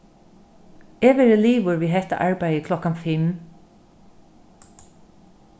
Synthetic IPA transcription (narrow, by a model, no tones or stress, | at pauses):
ɛːʋɛːɾəliːʋʊɾʋiːɦɛht̪a̰ʔaɹpæjəkʰlɔkanfɪm